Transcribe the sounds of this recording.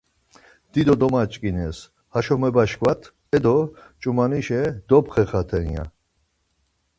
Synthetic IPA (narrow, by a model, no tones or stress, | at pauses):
d̪̥id̪ɔd̪ɔmat͡ʃʼkʼinɛs | haʃɔmɛbaʃkvat̪ʰ | ɛd̪ɔt͡ʃʼumaniʃɛd̪ɔpχɛχat̪ʰɛnja̰